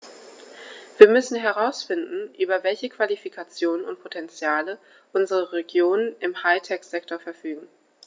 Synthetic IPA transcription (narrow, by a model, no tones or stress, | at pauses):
v̥iːɐmʏsn̩ɦɛʁaʊsfɪndn̩ʔyːbɐvɛlçəkv̥alifikʰat͡sjoːnənʊ̰nt̚pʰotʰɛnt͡sjaːlə | ʔʊnzəʁəʁeɡjoːnənɪmhaɪtʰɛkz̥ɛk̚tʰoːɐfɛɐfyːɡŋ̩